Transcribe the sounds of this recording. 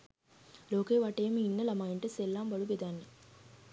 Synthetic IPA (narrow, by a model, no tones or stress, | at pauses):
loːkeːʋaʈeːmiinːɐlɐmaiɳʈəselːaːmbɐɭuɡed̪anːe